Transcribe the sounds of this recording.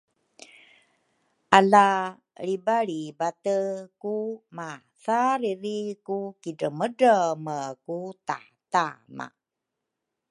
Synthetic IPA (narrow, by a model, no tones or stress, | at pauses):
ʔala | ɭibaɭibatəkuma | θaɾiɾikukidəmədəməkuta̰ | tama̰